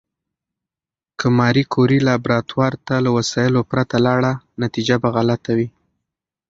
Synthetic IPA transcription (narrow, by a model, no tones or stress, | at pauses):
kʰəmɑɾikʰoɾilabɾɑt̪wɑɾt̪alawasɑjəlopɾat̪alɑɽanat̪id͡ʒabaɣalat̪awi